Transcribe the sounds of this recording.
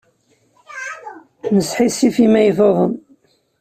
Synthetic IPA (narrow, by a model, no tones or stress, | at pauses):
nəsħisifimæjðoðˤəm